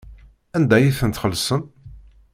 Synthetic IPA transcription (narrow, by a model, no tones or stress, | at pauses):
ænd̪æjiθənt̪χəlːsən